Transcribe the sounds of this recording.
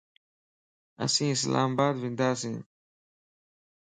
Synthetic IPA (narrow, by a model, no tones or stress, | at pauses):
a̰sĩs̬lʔã̰mbad̪vind̪asĩ